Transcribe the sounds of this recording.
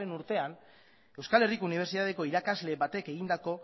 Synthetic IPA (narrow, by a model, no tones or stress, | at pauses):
e̞nuɾt̪e̞an | e̞wskale̞rikouniβ̞e̞ɾsit̪aðeko̞iɾakazle̞βat̪e̞keɣind̪ako̞